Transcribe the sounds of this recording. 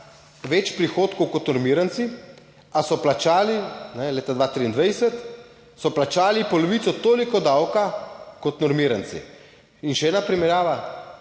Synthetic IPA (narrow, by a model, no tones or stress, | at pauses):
ʋɛt͡ʃpɾixoːt̪kɔwkɔt̪nɔɾmiːɾant̪si | asɔplat͡ʃaːlinɛleːt̪ad̪ʋat̪ɾiːnd̪ʋajsɛt̪ | sɔplat͡ʃaːlipɔlɔʋiːt̪sɔt̪oːlikɔd̪awkakɔt̪nɔɾmiːɾant̪sḭ | inʃɛɛːnapɾimɛɾjaːʋa